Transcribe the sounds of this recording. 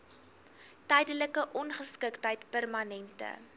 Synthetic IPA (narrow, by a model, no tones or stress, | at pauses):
tɛjdələkəʔɔnχəskəktɦəjtpærmɐnɛntə̰